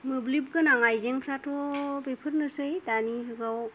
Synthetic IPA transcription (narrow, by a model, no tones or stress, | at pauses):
mɯblip̚ɡɯnaŋajzeŋpʰɾatʰɔbepʰɯɾnɯsɯjtanikɯɡaw